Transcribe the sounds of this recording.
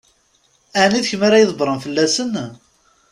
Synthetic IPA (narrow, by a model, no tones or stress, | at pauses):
æʕniðçəmaɾajəðˤəbɾˤənfəlːæsən